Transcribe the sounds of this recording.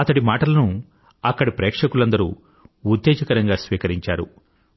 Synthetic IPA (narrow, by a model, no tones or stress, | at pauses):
ɐt̪ɐɽimaːʈɐlɐnu | ɐkːɐɽipɾɛːkʂɐkulɐnd̪ɐɾṵː | ud̪ːɛːd͡ʒɐkɐɾɐŋɡaːsʋiːkɐɾiɲt͡ʃaːɾṵ